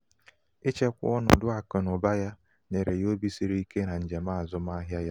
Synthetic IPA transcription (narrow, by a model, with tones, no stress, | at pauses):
e˦t͡ʃe˦kʷʊ̰˦ɔ˦nʊ̰˨dʊ˦a˨kɔ˨nʊ˨ba˦ja˦ | ne˨ɾe˨jo˦bi˦si˦ɾi˦i˦ke˦na˨n̩˨d͡ʒe˨ma˦a˨zʊ˦ma˦ɦja˦ja˦